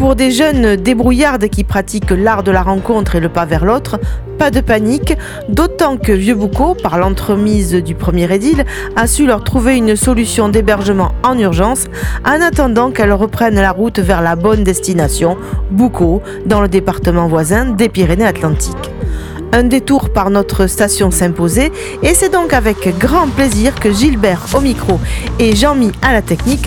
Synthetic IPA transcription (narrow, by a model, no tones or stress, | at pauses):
puʁd̪eʒœnd̪ebʁujaʁd̪kʲipχat̪iklaʁd̪əlaʁɑ̃kɔ̃t̪χeləpavɛʁlɔt̪χəpad̪əpanik | d̪ot̪ɑ̃kəvjøbukopaʁlɑ̃t̪χəmizd̪ypχəmjeʁed̪il | asylœʁt̪χuveynsɔlysjɔ̃d̪ebɛʁʒəmɑ̃ɑ̃nyʁʒɑ̃s | ɑ̃nat̪ɑ̃d̪ɑ̃kɛlʁəpχɛnlaʁut̪vɛʁlabɔnd̪ɛst̪inasjɔ̃buko | d̪ɑ̃ləd̪epaʁt̪əmɑ̃vwazɛ̃d̪epiʁeneat̪lɑ̃t̪ik | ɛ̃d̪et̪uʁpaʁnɔt̪χəst̪asjɔ̃sɛ̃poze | esɛd̪ɔ̃kavɛkɡʁɑ̃pleziʁkəʒilbɛʁomikχoeʒɑ̃mialat̪ɛknik